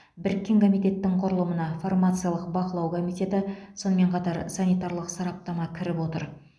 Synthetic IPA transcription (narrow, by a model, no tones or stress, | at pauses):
bɪɾkʲːe̞ŋkʰo̞mijt̪e̞t̪ːɪŋqʰʊɾəlˠəmənɑformat̪sɨjalˠəqbɑqəlˠɑwkʰo̞mijt̪e̞t̪ɪso̞nəme̞ɴqʰɑt̪ɑɾsɑnijt̪ɑɾlˠəqsɑɾɑp̚t̪ɑmɑkʲʰɪɾɪpwo̞t̪əɾ